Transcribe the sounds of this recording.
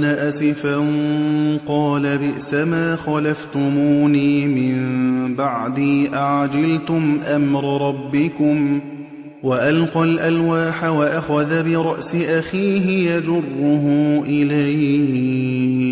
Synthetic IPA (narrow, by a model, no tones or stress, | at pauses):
naʔasɪfanqɑːlabɪʔsamaːxɑlaft̪ʊmuːniːmɪmbaʕd̪iːʔaʕd͡ʒalt̪ʊmʔamɾɑɾˤɑbːɪkʊm | waʔalqɑlʔalwaːħawaʔaxaðabɪɾˤɑʔsɪʔaxiːɦɪjad͡ʒʊrˤːʊɦʊːʔɪlajh